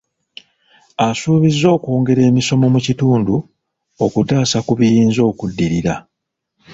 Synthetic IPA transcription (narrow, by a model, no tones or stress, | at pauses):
asuːβizːo̞ːkoːŋɡe̞ɾe̞ːmiso̞mo̞mucituːndu | o̞kutaːsakuβijiːnzo̞ːkudːiɾiɾa